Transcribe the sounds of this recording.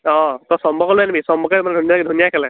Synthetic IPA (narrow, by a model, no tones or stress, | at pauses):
ɔ̃t̪ɔsɔmbʱɔkɔlɛnbʱisɔmbʱɔkɛmand̪ʱunjakid̪ʱunjakʰɛlɛ̃